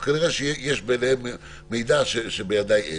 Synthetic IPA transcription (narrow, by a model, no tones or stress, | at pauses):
kaniʁeʃejjeʃbelehem | mejd̪aʃeʃebejad̪aje